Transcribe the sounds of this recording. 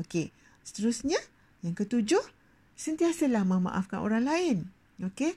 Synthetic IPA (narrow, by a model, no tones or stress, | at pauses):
oke | sə̥t̪əɾʊsɲã | jaŋkət̪ud͡ʒʊh | sənt̪iasəlahmə̃ma̰ʔa̰fkanʔo̰ɾaŋlaɪn | oke